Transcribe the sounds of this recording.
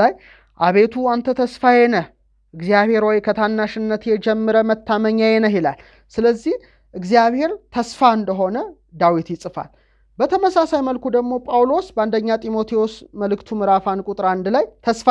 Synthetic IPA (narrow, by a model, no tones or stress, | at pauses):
aj | ʔaβe̞t̪ʰuant̪ʰət̪ʰəsfajɛnəh | ʔɨɡzijaβhe̞ɾwɔjkʰət̪ʰanːaʃɨnːət̪jɛd͡ʒɛmːɨɾəmət̪ːaməɲːajɛnəɦjɛla̰l | sɨləzːih | ʔɨɡzijaβhe̞ɾt̪ʰəsfaɨnd̪əɦo̞nə | d̪awit̪jɪsʼɨfa̰l | bət̪ʰəməsasajməlkud̪əɡmo̞pʼawlo̞sbəɨnd̪əɲːat̪ʼimo̞t̪ʰiosməlɨkt̪ʰumɨɾafankʼut̪ʼɾand̪lajt̪ʰəsfa